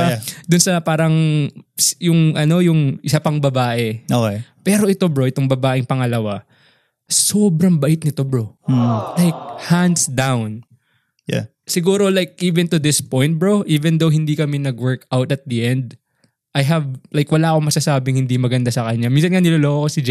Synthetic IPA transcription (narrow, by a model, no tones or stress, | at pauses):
d̪ʊnsɐpaːɾɐŋsjʊŋʔɐno̞jʊŋʔɪsapɐŋbɐbaːʔɛʔokepɛːɾo̞ʔɪt̪obɹoʔɪt̪o̞ŋbɐbaːʔɪŋpɐŋɐlɐwa | so̞ːbɾɐŋbɐʔɪt̪̚nɪt̪obɹolajk̚hand̪sd̪awn | ja̰ | sɪɡuːɾo̞lajk̚ʔiːvɛnt̪ʊd̪ɪspo̞jnt̪̚bɹoʔiːvɛnd̪owɦɪnd̪ikɐmɛnɐɡwɛɹkawt̪ɐt̪̚d̪iʔɛnd̪̚ | ʔɐjɦɐblajkwɐlaːʔɐko̞ŋmɐsasaːbɪŋhɪnd̪imɐɡɐnd̪asɐkɐɲaminsɐnŋanɪloːloʔokosɪd͡ʒ